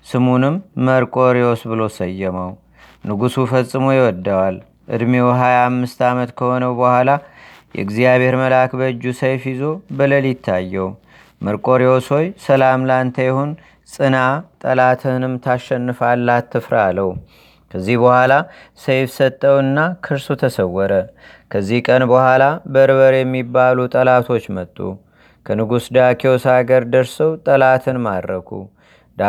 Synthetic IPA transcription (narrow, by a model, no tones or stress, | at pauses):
sɨmunɨmːəɾkʼo̞ɾeosbɨlo̞səjːɛməw | nɨɡusufəsʼːɨmojɛwɔd̪ːawal | ʔɨ̰d̪mewɦajaːmːɨst̪amət̪kʰəho̞nəwbəhʷwala | jɛ̰ɨɡzijaβeɾməlakbəɨd͡ʒːusəjfizo̞bɨləlit̪ʰːajːɛw | məɾkʼo̞ɾeoso̞jsəlamlant̪ʰəjɛhon | sʼɨnat̪ʼəlat̪ʰɨnɨmt̪ʰaʃːɛnːɨfalːat̪ːɨfɾa̰lːəw | kʰəzːihbəhʷwʷala | sejfsət̪ʼːəwɨnːakʰɨɾsut̪ʰəsəwːɔɾə | kʰəzːihkʼənbəhʷalabəɾβəɾjɛmːibalut̪ʼəlat̪ʰo̞t͡ʃːmət̪ʼːṵ | kʰənɨɡusd̪akʰiosaɡəɾd̪əɾsəwt̪ʼəlat̪ʰɨnmad̪ɾəkʰṵ | d̪